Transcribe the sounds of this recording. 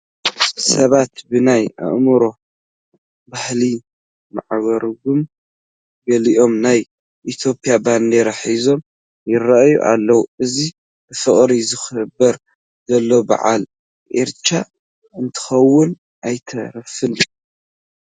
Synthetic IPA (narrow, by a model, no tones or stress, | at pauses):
sɐβat̪bɨnaja̰ʔmɨɾo̞ | bahli | ma̰ʕβɐɾɡum | ɡɐliʔo̞mnaj | ʔit̪ʰjo̞pʰʼːijaband̪eɾaħizo̞m | jɪrɐʔjṵʔa̰lːɐwuɨzi | ɨfɨχʼɾizɨxɨbːɐɾ | zɐlːo̞ba̰ʕa̰l | ʔeɾt͡ʃa | ɨnt̪ʰɨ̥xɐwːʊn | ʔajt̪ʰɐɾɐfɨn